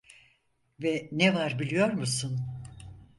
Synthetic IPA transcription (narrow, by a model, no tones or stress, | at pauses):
vɛnɛvaɾbilʲijo̞ɾmusun